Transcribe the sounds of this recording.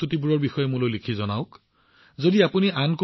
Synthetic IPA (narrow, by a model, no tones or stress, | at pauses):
utibuɹɔɹbixɔjɛmʊlojlikʰizɔnaʊk | zodiapuniʔanku